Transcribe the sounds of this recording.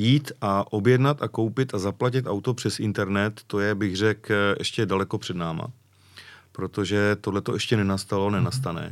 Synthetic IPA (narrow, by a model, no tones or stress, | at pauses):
jiːt̪ʔaʔo̞bjɛdnat̪ʔako̞wpɪt̪azaplacɪt̪ʔawt̪o̞pr̝̥ɛsɪnt̪ɛɾnɛt̪ːo̞jɛbɪɣrɛkʔɛʃcɛdalɛko̞pr̝̥ɛdnaːma̰ | pɾo̞t̪o̞ʒɛt̪o̞dlɛt̪o̞ʔɛʃcɛnɛnast̪alonɛnast̪anɛ̰ː